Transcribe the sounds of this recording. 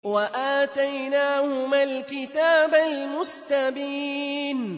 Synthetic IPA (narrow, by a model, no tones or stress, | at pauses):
waʔaːt̪ajnaːhʊmaːlkɪt̪aːbalmʊst̪abiːn